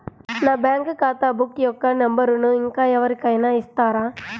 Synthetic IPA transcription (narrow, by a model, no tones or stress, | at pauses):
naːbjaːŋkɯkaːt̪aːbukːjɔkːɐnɐmbɐɾunuɪŋkaːɛʋɐɾikɐjnaːɪst̪aːɾaː